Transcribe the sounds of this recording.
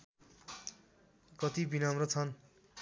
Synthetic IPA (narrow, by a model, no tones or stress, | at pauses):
kʌt̪ibinʌmrʌt͡sʰʌn